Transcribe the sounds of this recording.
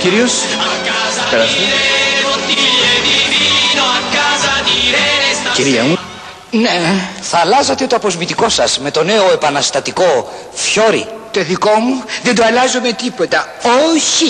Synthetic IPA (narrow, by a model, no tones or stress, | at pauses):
ciɾios | peɾɐst̪o | ciɾiɐmu | neθɐːlɐzɐt̪e̞t̪oɐpozmit̪iko̞sɐzme̞t̪o̞ne̞oe̞pɐnɐst̪ɐt̪iko̞ | fço̞ɾḭt̪oðiko̞muðend̪oɐlɐzome̞t̪ipo̞t̪ɐ | oçi